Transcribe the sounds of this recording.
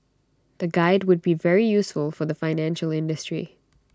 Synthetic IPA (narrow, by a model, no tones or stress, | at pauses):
ð̥ɨɡaɪd̚wʊd̚bivɛɹijusfəlˠfə˞ðəfãɪnæ̃nʃəlˠɪ̃ndɨstɹ̥ḭ